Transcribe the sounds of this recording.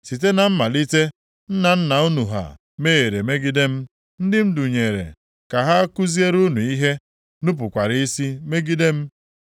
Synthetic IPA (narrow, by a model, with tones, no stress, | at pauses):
si˨t̬e˦na˨m̩˦ma˨li˦te˦ | n̩˦na˨n̩˦na˨u˦nu˨ɦa̰˨ | me˦e˨ɾe˨me˦ɡi˦de˦m̩˦ | n̩˦dɪ˦m̩˦du˨ɲe˨ɾḛ˨ | ka˨ɦa˦a˦kʊ˦zi˦e˦ɾu˦nu˨i˦ɦe˦ | nʊ˦p̬ʊ˨kʷa˨ɾi˦i˦si˦me˦ɡi˦de˦m̩˦